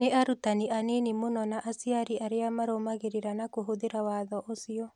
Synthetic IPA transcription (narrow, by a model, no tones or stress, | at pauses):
neaɾutaniʔanenimonɔnaʔasiaɾiaɾeamaɾomaɣeɾeɾanakoɦoðeɾawaːðɔʔosiɔ